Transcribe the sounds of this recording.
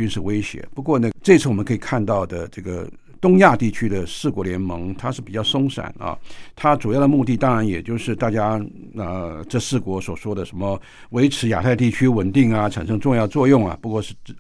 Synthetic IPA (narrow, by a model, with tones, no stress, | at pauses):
y˥nʂɻ̩˥˩we˥ɪɕjɛ̰˧˥pu˧˥kwɔ˥˧nə˥˩ʈ͡ʂɤ˥˧˥t͡s̩ʰ˥˩ɔ˨˩mə˦ŋkʰi˨˩kʰa˥˧nt̪ɑ˥˩ʊd̪ə˩ʈ͡ʂɤ˥˩ɡə̰˩ | t̪ʊ˥ŋja˥˧t̪i˥˩t͡ɕʰy˥d̪ə˨ʂɹ̩˥˩kwɔ˧˥ljɛ˧˥nmɤ˧˥ŋt̪ʰa˥ʂɻ̩˥˩pi˨˩t͡ɕjɑ˥˩ʊʂʊ˥ŋʂa̰˨˩˦nɐ̰˧t̪ʰa˥t͡su˨˩jɑ˥˩ʊd̪ə˧mu˥˧t̪i˥˩t̪ɑ˥ŋɻa˧˥njɛ˨˩t͡ɕjo˥˧ʊʂɻ̩˥˧t̪a˥˩t͡ɕja˥ | ə˧ʈ͡ʂɤ˥˧ʂɹ̩˥˩kwɔ˧˥swɔ˨˩ʂwɔ˥d̪ə˨ʂə˧˥nmə˧ | we˧˥ɪʈ͡ʂʰɻ̩˧˥ja̰˨˩t̪ʰa˥˧ɪt̪i˥˩t͡ɕʰy˥wə˨˩nt̪i˥˩ŋɐ˨ʈ͡ʂʰa̰˨˩nʂɤ˥ŋʈ͡ʂʊ˥˧ŋjɑ˥˧ʊət͡swɔ˥˧jʊ˥˩ŋɐ̰˩pu˧˥kwɔ˥˧ʂɻ̩˥˩˥